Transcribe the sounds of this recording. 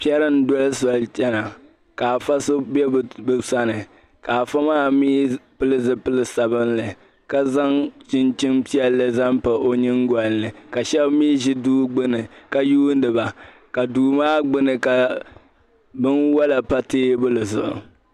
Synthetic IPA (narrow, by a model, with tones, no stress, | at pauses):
pi˦ɛ˦ɾɨ˦n̩˦dɔ˦lsa˨lt͡ʃɛ˦na˨ | ka˨a˨fa˦so˦bɛ˦bɨ˨sa˦nɨ˨ | ka˨a˨fa˦maː˦miː˦pɨ˦lɨ˦zɨ˦pɨ˦lɨ˦sa˨bɨ˦nlɨ˨ | ka˦za˦ŋt͡ʃɪ˦nt͡ʃɪ˦npi˦ɛ˦lːɨ˦za˦mpa˨ʔo˦ɲɪ˦ŋɡɔ˨lnɨ˨ka˨ʃɛ˦bmiː˦ʒi˦duː˦ɡ͡bɨ˦nɨ˨ka˨juː˦n˦dɨ˨ba˨ | ka˨duː˨maː˦ɡ͡bɨ˦nɨ˨ka˨ | bɨ˦nwa˦la˨pa˦teː˦bʊ˦lɨ˨zʊ˨ʔʊ̰˨